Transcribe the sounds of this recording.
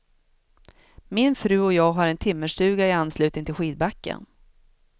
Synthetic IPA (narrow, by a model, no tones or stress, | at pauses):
mɪnfɾʉ̟ːɔjɑːɡɦaɾɛnt̪ʰɪmːəʂʈʉ̟ːɡaɪanslʉ̟t̪ɪŋt̪ʰɪlɧiːd̪̚bakːə̰n